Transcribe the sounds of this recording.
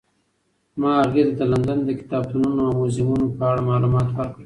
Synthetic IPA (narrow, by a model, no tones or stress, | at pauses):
mɑːɣed̪ad̪əland̪and̪əkɪ̥t̪ɑb̚t̪ununoawmozɪmunopəaɽamɑlumɑt̪waɾkəɽ